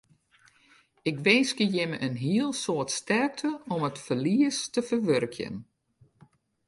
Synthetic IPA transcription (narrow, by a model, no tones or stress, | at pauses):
ɪkʋɪnskəjɪməʔənɦiəlˠsoətstɛrk̚tʰəɔmətfərliəstəfərʋørkʰjə̰n